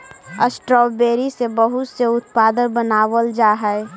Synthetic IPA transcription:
əsʈɾɔːbeːɾisebəɦʊt̪seʊt̪̚paːd̪ənbənaːʋəld͡ʒaːɦɛɛ

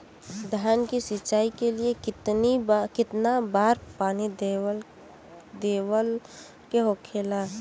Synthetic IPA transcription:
d̪ʱaːnkisɪt͡ʃaːikeliekɪt̪nikɪt̪nabaːɾpaːnid̪l | d̪eːwəl | keɦoːkʰeːla

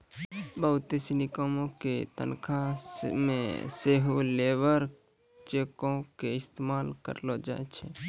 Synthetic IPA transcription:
bəʊt̪esinikomõket̪ə̰nkʰamḛ̃seɦuleːʋəɾ | t͡ʃeːkõkeɪst̪emaːlkə̰ɾlod͡ʒa̰et͡ʃʰe

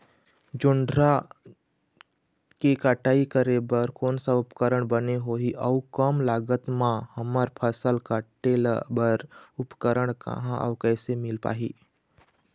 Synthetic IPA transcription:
d͡ʒʊɳɖɾa | kikaʈaːikəɾebəɾkoːnsaʊpkəɾəɽ̃bəneɦoɦiʔɔʊkəmlaːɡət̪mãhɐməɾpʰəsəlkaʈelbəɾʊpkəɾəɽ̃kə̰ɦãʔɔ̰ːkɛːsemɪlpa̰ːɦḭː

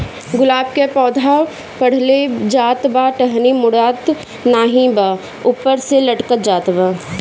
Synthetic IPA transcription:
ɡʊlaːb̚kepɔːd̪ʱa | pɐɽ̤led͡ʒaːt̪baʈəɦnimʊɽaːt̪ | naːɦĩba | ʊːpəɾselɐʈkət̪d͡ʒaːt̪ba

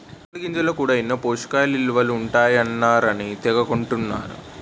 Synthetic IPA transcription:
ɐliɡiɲt͡ʃɐloːkuːɽaːinːɐpoːʂu̥kaːlilʋɐluuɳʈaːjɐnːaːɾɐnit̪ɛɡɐkoɳʈunːa̰ːɾṵ

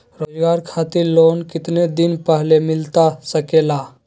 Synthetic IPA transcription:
ɾod͡ʒɡaɾkʰat̪iɾlonkɪt̪ned̪inpəɦlemɪlt̪asəkela

